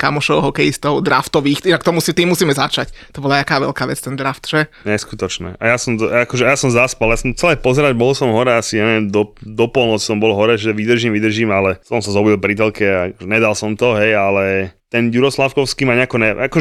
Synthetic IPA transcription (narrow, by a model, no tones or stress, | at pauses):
kamɔʃɔʊɦɔkɛjist̪ɔʊd̪ɾa̰ft̪ɔʋiːxt̪iakt̪ɔmusit̪iːmːusiːmɛzat͡ʃact̪ɔbɔlat̪akaːʋɛ̰lkaːʋɛt͡st̪ɛnd̪ɾaft̪ʒɛ | ɲɛskut̪ɔt͡ʃnɛ̰ʔajasɔmzakɔʒɛjasɔmzaspaljasɔmt͡sɛlɛpɔzɛɾaɟbɔlsɔmɦɔɾɛasiɲaʋiɛmd̪ɔd̪ɔpɔlˠnɔt͡ssɔmbɔlɦɔɾɛʒɛʋid̪r̩ʒiːmʋid̪r̩ʒimalɛsɔmsazɔbilbɾit̪ɛlkɛaakɔʒɛɲɛd̪alsɔmt̪ɔɦɛjalɛt̪ɛnjuɾɔslafkɔʊskiːmaɲɛakɔɲɛʔakɔʒɛ